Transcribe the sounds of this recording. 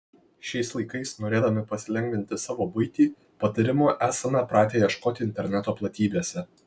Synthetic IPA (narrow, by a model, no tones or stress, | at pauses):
ʃʲɛɪslˠɐɪkɐɪsnoːɾʲeːd̪ɐmʲɪpɐsʲɪlʲɛŋʲɡʲʋʲɪnʲt̪ʲɪsɑːʋoːbʊɪt̪ʲiː | pɐt̪ɐɾʲɪmoːʔæːsɐmʲɑpɾɑːt̪ʲeːjɛʃkoːt̪ʲɪɪnʲt̪ʲɛɾʲnʲɛt̪oːplˠɐt̪ʲiːbʲeːsʲɛ